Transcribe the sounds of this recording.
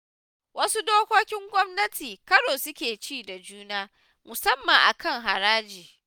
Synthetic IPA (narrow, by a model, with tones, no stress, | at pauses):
wɐ˦su˦doː˦kʷoː˦kʲɪ˦ŋɡʷɔ˦mnɐ˦tʰiː˨kɐ˦ɽoː˨sʊ˦kʲeː˨t͡ʃiː˦˨da˨d͡ʒuː˦naː˦ | mʊ˨sɐ˦mːɐ˨ŋʔa̰˨kɐ˦ŋɦa˨ɾaː˦d͡ʒiː˨